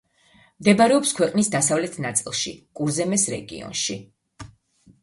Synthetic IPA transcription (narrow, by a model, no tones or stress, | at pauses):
md̪ɛbaɾɛɔpskʰwɛqʼnisd̪asavlɛt̪ʰnat̪sʼilˠʃḭkʼuɾzɛmɛsɾɛɡḭɔ̰nʃi